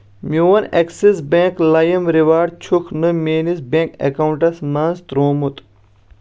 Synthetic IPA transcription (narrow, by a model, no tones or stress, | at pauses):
mʲjuʋɐneksisbẽːklɐjɐmɾiʋaːɖt͡ʃʰukʰnɨmʲeːnisbẽːŋkḛkɐwuɳʈɐsmaːnzt̪ɾoːmut̪